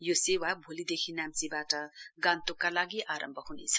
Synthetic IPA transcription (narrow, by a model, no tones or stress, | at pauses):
josewabʱolid̪ekʰinamt͡sibaʈʌɡãnt̪okalaɡiʔaɾʌ̰mbʱʌɦunḛt͡sʰʌ̥